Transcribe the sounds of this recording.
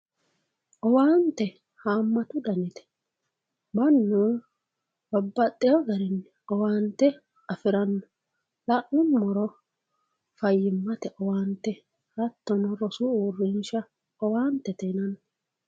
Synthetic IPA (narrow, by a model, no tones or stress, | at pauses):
ʔɔwaːnt̪ːɛ | haːmːɐt̪ʊd̪ɐnɪt̪ɛ̥ | bɐnːu | bɐbːɐt̪ʼːɛjɔɡɐɾɪnːɛ | ɔwaːnt̪ːɛ | ɐfɪɾɐnːɔ | lɐʔʊmmːɔɾɔ | fɐjːɪmːɐt̪ɛʔɔwaːnt̪ːɛ | ɾɐt̪ːɔnɔɾɔsʊuːrːɪnʃɐ | ɔwaːnt̪ːɛt̪ɛnɐnːɔ